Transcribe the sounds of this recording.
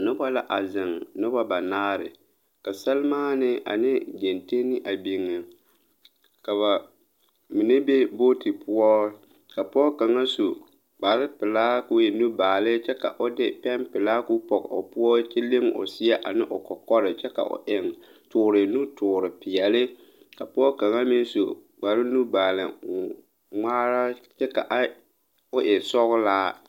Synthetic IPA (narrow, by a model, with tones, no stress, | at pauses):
nɪ˦ba˦la˦ʔa˨zɪ˨ŋnɪ˦ba˦ba˨naː˦ɾɪ˨ | ka˨sa˦lmaː˦nɪ˦a̰˨nɪ˦d͡ʒe˨nte˦nɪ˦ʔa˨bi˨ŋːɪ˨ | ka˨βa˨ | mi˨ne˦be˦bo˦ti˨pʊ˦ɔ˦ | ka˨pʊ˦ɔ˦ka˨ŋa˦su˨ | k͡pa˨ɾɪ˦pɪ˨laː˦ku˦je˨nu˦baː˨lɪ˦t͡ʃɛ˦ka˨ʔʊ˦dɪ˦pɛ˦mpɪ˨la˦ku˦pɔ˨ɡʊ̰˨pʊ˦ɔ˦t͡ʃi˦lɪ˦ŋʊ̰˨sɪ˦ɛ˦ʔa̰˨nɪ˦ʔʊ˨kɔ˨kɔ˦ɾɪ˨t͡ʃɛ˦ka̰˨ʔʊ̰˨ʔɪ˨ŋ | tʊː˨ɾɪ˨nu˦tʰʊː˨ɾɪ˨pɪ˨ɛ˨lɪ˦ | ka˨pɔ˦ka˨ŋa˦mɪ˦n˦so˨ | ɡ͡ba˨ɾɪ˦nu˦baː˨lɪ̰˨ | ŋ͡maː˦ɾa˦t͡ʃɛ˦ka̰˨ʔa˦ | ʊ˦ʔɛ˨sɔ˦ɣʊ˦laː˦